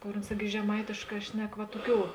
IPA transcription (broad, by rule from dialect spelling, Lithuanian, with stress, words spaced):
ˈkoːr ʊns ˈɪrʲɡʲɪ ʒʲɛˈmɐɪtʲeːʃˌkɑː ˈʃʲnʲɛk ʋɐ ˈtoːˌkʲuː